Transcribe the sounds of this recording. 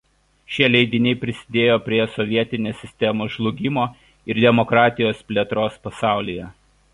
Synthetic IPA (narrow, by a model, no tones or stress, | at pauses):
ʃʲiɛlʲɛɪd̪ʲɪnʲɛɪpʲɾʲɪsʲɪ̥d̪ʲeːjoːpʲɾʲiɛsɔʋʲiɛt̪ʲɪnʲeːsʲɪsʲt̪ʲɛmoːʒlˠʊɡʲɪmoː | ɪɾd̪ʲɛmɔkɾɑːt̪ʲɪjoːspʲlʲiɛt̪ɾoːspɐsɑˑʊlʲijɛ